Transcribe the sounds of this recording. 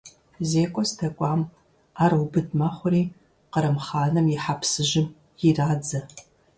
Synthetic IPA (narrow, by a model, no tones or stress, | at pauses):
zeːkʷʼɔstʰɐkʷʼɑːm | aːrwbɨdmaχʷʊɾiː | qəɾɐmχaːnɐmjiħapʰsɨʒɪm | jiraːd͡zɐ